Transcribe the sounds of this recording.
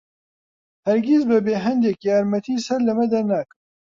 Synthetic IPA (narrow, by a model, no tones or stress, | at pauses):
hɛɾɡis̬bɨbeːɦɛnd̪ɛkjaːɾmɛt̪ʰiːsɛɾlɐmɛd̪ɐɾnaːkɨm